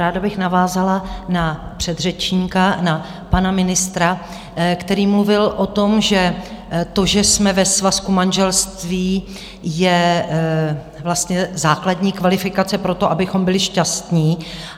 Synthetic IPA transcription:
ɾaːdabɪxnavaːzalanapr̝̥ɛd̪r̝ɛt͡ʃɲikana | panamɪnɪst̪ɾa | kt̪ɛɾiːmluvɪlʔo̞t̪o̞mʒɛ | t̪o̞ʒɛsmɛvɛsvaskumanʒɛlst̪viː | jɛ | vlast̪ɲɛzaːkladɲiːkvalɪfɪkat͡sɛpɾo̞t̪o̞ʔabɪxo̞mbɪlɪʃcast̪ɲiː

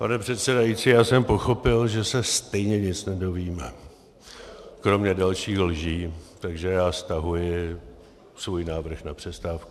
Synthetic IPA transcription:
panɛpr̥ɛt̪sɛdajit͡siːjaːsɛmpo̞xo̞pɪlʒɛsɛst̪ɛjɲɛɲɪt͡snɛdo̞viːmɛ | kɾo̞mɲɛdalʃiːxlʒiːt̪aɡʒɛjaːst̪aɦujɪ | svuːjnaːvr̩xnapr̝̥ɛst̪aːfku

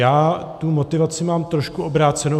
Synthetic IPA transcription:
jaːt̪umo̞t̪ɪvat͡sɪmaːmt̪ɾoʃkuʔobɾaːt͡sɛno

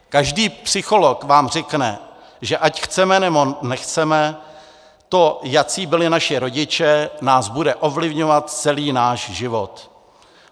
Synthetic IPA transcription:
kaʒdiːpsɪxo̞lo̞kvaːmr̝ɪknɛ̰ | ʒɛʔacxt͡sɛmɛnɛbonɛxt͡sɛmɛ | t̪o̞jat͡siːbɪlɪnaʃɪɾo̞ɟɪt͡ʃɛnaːzbudɛʔo̞vlɪvɲovat̪t͡sɛliːnaːʃʒɪvo̞t̪

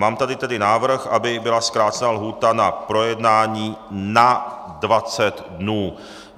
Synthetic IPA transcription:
maːmt̪adɪt̪ɛdɪnaːvr̩xʔabɪbɪlaskɾaːt͡sɛnaːlɦuːt̪anapɾo̞jɛdnaːɲiːna | dvat͡sɛt̪dnuː

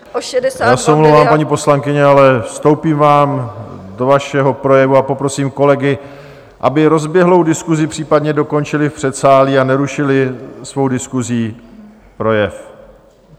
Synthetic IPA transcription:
djaːsɛwmlovaːmpaɲiːpo̞slaŋkɪɲɛalɛfst̪o̞wpiːmvaːmdo̞vaʃɛɦo̞pɾo̞jɛvuapo̞pɾo̞siːmko̞lɛɡɪ | ʔabɪɾo̞zbjɛɦlo̞wdɪskuzɪpr̥iːpadɲɛdo̞ko̞nt͡ʃɪlɪfpr̝̥ɛt̪saːliːanɛɾuʃɪlɪsvo̞wdɪskuziː | pɾo̞jɛf

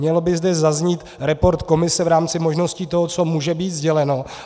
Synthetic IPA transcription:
ɲɛlobɪzdɛzazɲiːt̪ɾɛpo̞ɾt̪ko̞mɪsɛvɾaːmt͡sɪmo̞ʒno̞sciːt̪o̞ɦot͡so̞muːʒɛbiːt̪zɟɛlɛno̞

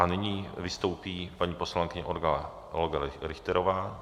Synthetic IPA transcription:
ʔanɪɲiːvɪst̪o̞wpiːpaɲiːpo̞slaŋkɪɲɛʔodɡalɛ | lɡalɾɪxt̪ɛɾovaː

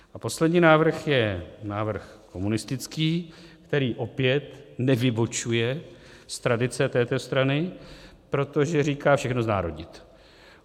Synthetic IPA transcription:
ʔapo̞slɛdɲiːnaːvr̩xjɛnaːvr̩xko̞munɪst̪ɪt͡skiːkt̪ɛɾiːʔo̞pjɛt̪nɛvɪbot͡ʃujɛ | st̪ɾadɪt͡sɛt̪ɛːt̪o̞st̪ɾanɪ | pɾo̞t̪o̞ʒɛɾiːkaːfʃɛxnozna̰ːɾo̞dɲɪt̪

